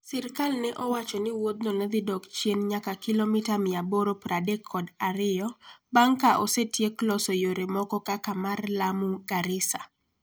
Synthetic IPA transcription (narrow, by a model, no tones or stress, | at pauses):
sɪɾkalnɛʔɔwat͡ʃɔnɪwod̪̚nɔnɛd̪ɪdɔkt͡ʃjenɲakakɪlomɪtamɪaboɾopɾadekʰːɔdaɾɪjɔbaŋkaʔosetjeklɔsɔjoɾemɔkɔkakamarlamuɡaɾɪsa